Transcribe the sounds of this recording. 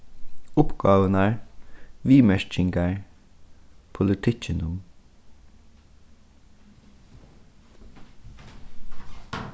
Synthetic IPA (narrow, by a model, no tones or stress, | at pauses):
ʊpɡ̥ɑːʋənæːɹʋiːmɛʃt͡ʃɪŋɡəɹ | pʰʊlɪt̪ʰɪt͡ʃənʊm